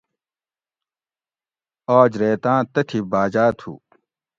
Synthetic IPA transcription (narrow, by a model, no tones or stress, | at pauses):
oːd͡ʑɾeːt̪ãːt̪ɐʈʰibaːd͡ʑaːt̪ʰṵ